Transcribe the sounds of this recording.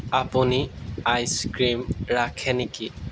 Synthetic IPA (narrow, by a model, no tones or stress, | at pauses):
apuniajskɹimɹakʰɛneki